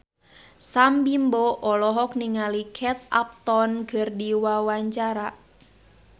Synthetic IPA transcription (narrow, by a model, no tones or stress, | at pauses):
sambimboʔɔlɔɦɔk̚niŋalikʰɛt̪̚a̰p̚t̪ɔnɡərdiwawaɲt͡ʃaɾa